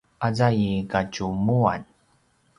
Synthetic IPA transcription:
ʔazajikacumua̰n

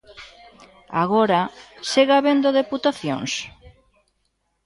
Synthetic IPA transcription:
a̰ɣoɾaseɣaβend̪oðeput̪aθjo̰ŋs

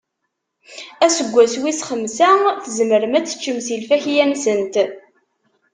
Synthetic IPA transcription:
æsəɡʷːæswisχəmsæθəzməɾəmæt͡sːə̥t͡ʃːəmsilfæçjænsənt̪

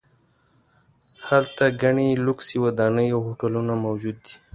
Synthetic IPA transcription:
halt̪aɡaɳilʊksiwad̪ɑnəjawɦoʈalunamawd͡ʒud̪ːi

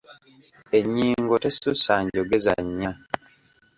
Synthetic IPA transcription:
eɲːiːŋɡotesusaːɲɟoɡeza̰ɲːa

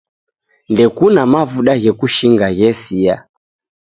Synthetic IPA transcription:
ndɛkunamavuɗaɣɛkuʃiŋɡaɣɛsia

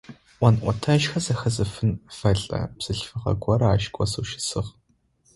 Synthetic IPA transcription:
ʔʷɐnʔʷɔtʰɐʃxɐzɐxɐzɨfɨnfɐɮʼɐ̰pz̥ɨɬfɨʁɐ̰ɡʷʼɔɾɐaːʃkʷʼɔsoʃɪ̥sɨʁ

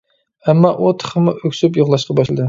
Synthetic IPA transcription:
ɛmːɑʔut̪ʰə̥χəmʊʔøkʲsyp̬joʁlˠɑʃqɑbɑʃlɨ̰d̪ɨ

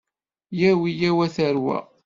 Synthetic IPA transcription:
jæwijæwæθəɾwæ̰

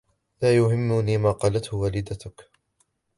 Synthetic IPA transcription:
laːjʊhɪmːʊniːmaːqɑːlat̪hʊwaːlɪd̪at̪ʊk

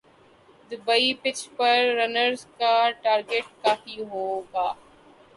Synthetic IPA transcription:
d̪əbɐipɪt͡ʃpɐɾːɐnəɾzkaʈaːɾɡeːʈkaːfiɦoːɡaː

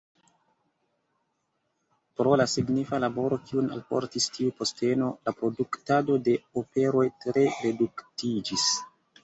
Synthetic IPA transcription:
pɾo̞lasiɡnifalabo̞ɾo̞kiuna̰lpo̞̰ɾtistiupo̞ste̞no̞lapɾo̞duktado̞de̞ope̞ɾo̞jtɾe̞ɾe̞duktid͡ʒis

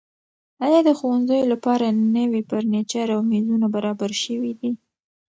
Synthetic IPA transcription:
ɑjɑd̪əxowanzajolapɑɾanəwipəɾnet͡ʃaɾawnizunabaɾɑbaɾʃəwid̪i

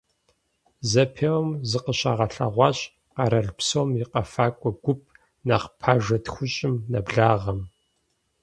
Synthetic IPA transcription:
zɐpʰewɐmzɨqəɕaːʁɐɬɐʁʷɑːɕʼ | qɐɾɐɮpsoːmjɪqɐfaːkʷʼɔɡʷʊp̚ʰ | naqpʰaːʒɐtxʷʊɕʼɪmnɐbɮaːʁɐm

